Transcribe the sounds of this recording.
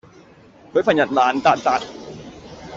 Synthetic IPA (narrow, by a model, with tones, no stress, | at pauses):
kʰɤː˨˦˥pʰa˧nja˨˩t̪̚laː˨˦˥nt̪a˨˩t̪̚t̪ːa˨˩t̪̚